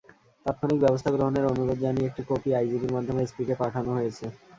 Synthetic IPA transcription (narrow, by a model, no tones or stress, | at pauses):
t̪at̪̚kʰonik̚bɛbost̪ʰaɡɾoɦoneɾonuɾod̪d͡ʑaniek̚ʈikopiajd͡ʑibiɾmad̪ʱːomeespikepaʈʰanoɦojet͡ɕʰe